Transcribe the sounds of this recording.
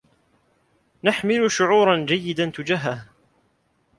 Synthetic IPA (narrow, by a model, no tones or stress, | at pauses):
naħmɪlʊʃʊʕuːɾˤɑnd͡ʒajːɪd̪ant̪ʊd͡ʒaɦah